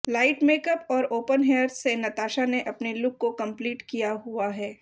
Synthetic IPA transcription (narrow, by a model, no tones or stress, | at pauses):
laːɪʈmeːkəpɔːɾoːpənɦeːɾɖsenɐt̪aːʃaneʔɐpnelʊkːokɐ̃mpliːʈkijaɦuaɦɛː